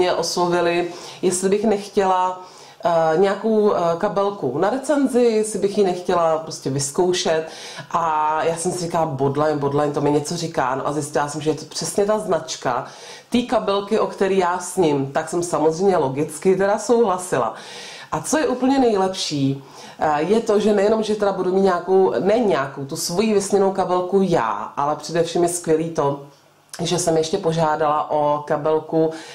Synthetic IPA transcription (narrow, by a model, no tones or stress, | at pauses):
ɲɛʔo̞slovɪlɪjɛst̪lɪbɪxnɛxcɛla | ɲɛjako̞wkabɛlkunaɾɛt͡sɛnzɪjɛslɪbɪxjinɛxcɛlapɾoscɛvɪskowʃɛt̪ | ʔajaːsɛmsɪrɪkalabodlajnbodlajnt̪omɛɲɛt͡so̞rɪka̰ːnoʔa̰zjɪscɪlasɛmʒɛjɛt̪o̥pr̝̥ɛsɲɛt̪aznat͡ʃka̰ | t̪iːkabɛlkɪʔo̞kt̪ɛɾiːjaːsɲɪmt̪aksɛmsamozr̝ɛjmɲɛlo̞ɡɪt͡skɪt̪ɛɾaso̞wɦlasɪla̰ | ʔat͡so̞jɛʔuːpl̩ɲɛnɛjlɛpʃiː | jɛt̪o̞ʒɛnɛjɛno̞mʒɛt̪ɛdabudumiːt̪ɲaːkownɛɲaːkowt̪usvo̞jivɪsɲɛno̞wkabɛlkuja̰ːʔalɛpr̥ɛdɛfʃiːmjɛskvjɛliːt̪o̞ | ʒɛsɛmjɛʃcɛpo̞ʒaːdalaʔo̞kabɛlku